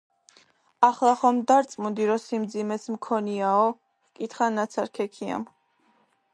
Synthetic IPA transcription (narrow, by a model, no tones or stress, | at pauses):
aχlˠaχɔmd̪aɾt̪sʼmund̪iɾɔsimd̪zimɛsmkʰɔniaɔ | kʼit̪ʰχanat̪sʰaɾkʰɛkʰia̰m